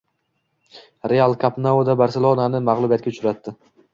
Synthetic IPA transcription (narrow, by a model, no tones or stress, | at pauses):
ɾealˠkʰapnaod̪abaɾsɪlˠonanɪmaʁlˠʊbijat̪̚kʲaʊt͡ʃʰʊɾat̪ːɪ